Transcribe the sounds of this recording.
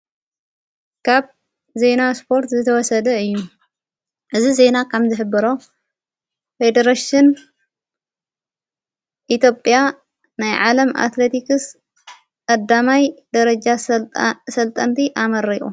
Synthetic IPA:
kʰaβ | ze̞naspʰo̞ɾt̪zɨt̪ʰɐwɔsɐd̪ɐɨjːu | ʔɨzize̞nakʰɐmzɨħɨbːɨɾo̞ | fe̞d̪ɐɾaʃɪn | ʔit̪jo̞pʼja | najʕalɐmʔa̰t̪let̪ikɨs | kʼɐd̪ːamajd̪ɐɾɐd͡ʒa | sɐlt̪ʼɐnt̪ʰiʔamɐɾiʔʼṵ

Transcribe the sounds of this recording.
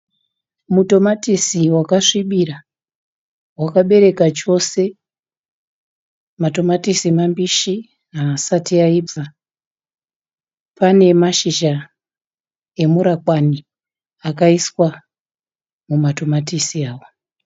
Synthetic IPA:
muto̞matisiwakaʂiɓiɾa | wakaɓe̞ɾe̞kat͡ʃo̞se̞ | mato̞matisiemambiʃi | asatiaib͡va | pane̞maʃiʒa | e̞muɾakwani | akaiswa | mumato̞matisiaːwo

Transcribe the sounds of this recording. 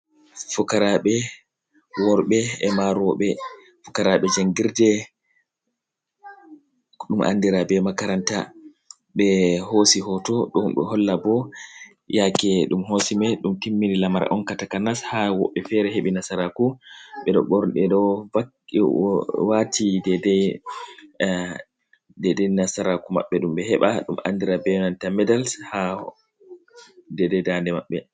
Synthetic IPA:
fukaɾaɓɛ | wɔɾɓɛɛmaɾɔɓɛ | fukaɾaɓɛd͡ʒaŋɡiɾdɛ | ɗumʔa̰nːdiɾabɛmakaɾanta | ɓɛhosiɦɔtɔɗɔmɓɛ̰hɔlːabɔ | jakɛɗumhosimɛɗumtimːiɾilamaɾa̰ʔɔnkatakanashawɔ̰ɓːɛfɛɾɛɦeɓinasaɾakuɓɛɗɔ̰ɓɔɾɗɛɗɔa | watʰidɛdɛ | dɛdɛnasaɾakuma̰ɓːɛɗumɓɛɦɛɓaɗumʔa̰ndiɾabɛnantamɛdalsha | dɛdɛdandɛmaɓːɛ

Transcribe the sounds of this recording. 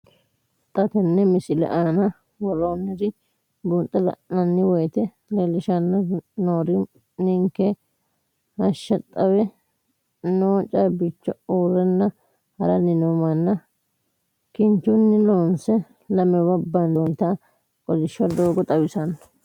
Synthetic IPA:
t̪ʼɐt̪ɛnːɛmɪsɪlɛ̰ʔaːnɐ | wɔloːnːɪd̪ɪ | bunt̪ʼːɐlɐ̰ʔnɐnːɪwɔjt̪ɛ | lelɪʃɐnːɐnoːɾɪ | nɪŋkɛ | hɐʃːɐt̪ʼːɐwɛ | noːt͡ʃʼɐɾbɪt͡ʃːɔuːrɛnːɐ | hɐɾɐnɪnomɐnːɐ | kɪnt͡ʃːʊnːɪloːnsɛ | lɐmɛwɐbːɐnont̪a | kʼɔlɪʃːɐd̪oːɡɔt̪ʼɐwɪsɐnɐ

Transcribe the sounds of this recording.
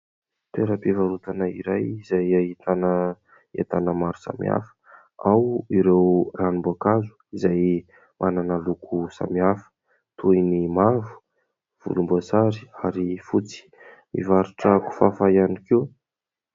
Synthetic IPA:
t̪eɾapivaɾut̪anaḭɾajizajaɦit̪anə | ḛt̪anəmaɾu̥sa̰mḭa̰fə̥ | awiɾewranimbakazu̥izaj | mʔananəlukʰusa̰miafə̥ | t̪ʰujnimavu̥ | v̥ṵlumbosaɾiaɾifut͡si̥ | mḭvaɾuʈ͡ʂaku̥fafajanikew

